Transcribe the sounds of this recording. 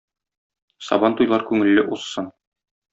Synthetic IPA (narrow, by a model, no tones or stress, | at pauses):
sɒ̰bɑnt̪ujlˠɑɾkʉŋɘ̆lːɘʔusːɤn